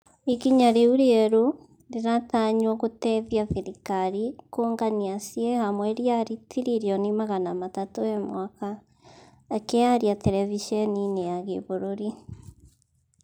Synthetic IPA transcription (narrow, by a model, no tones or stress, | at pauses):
ikiɲaɾeuɾieɾo | ɾiɾataɲwoɣoteðjaθeɾikaɾikoŋɡaniasiehamweɾjaɾitʰiɾiɾjonimaɣanamatatoemwakaː | keaɾjateɾɛviʃeninejaɣeβoɾoɾi